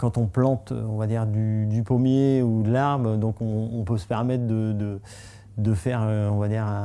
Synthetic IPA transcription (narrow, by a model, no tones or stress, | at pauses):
kɑ̃t̪ɔ̃plɑ̃t̪ɔ̃vad̪iʁd̪yd̪ypomjeud̪əlaʁbd̪ɔ̃kɔ̃ːpøsə̥pɛʁmɛt̪χd̪əd̪ə | d̪əfɛʁøɔ̃vad̪iːʁã